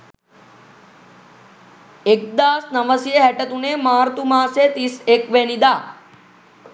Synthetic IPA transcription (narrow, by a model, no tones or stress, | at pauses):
ek̚d̪aːsnəʋəsjeɦɛʈət̪unemaːɾt̪umãːset̪isekʋenid̪aː